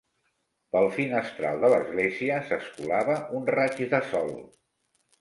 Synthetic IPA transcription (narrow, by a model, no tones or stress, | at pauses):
pəlˠfinəst̪ɾa̰lˠd̪ələzɣleziəsəskulaβəʔunrat͡ʃðəsɔlˠ